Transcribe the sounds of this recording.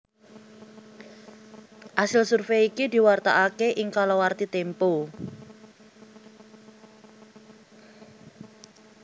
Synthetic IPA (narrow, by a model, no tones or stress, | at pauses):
ʔasɪlsurfeikid̪i̤wart̪aʔakeʔɪŋkalɔwart̪it̪empo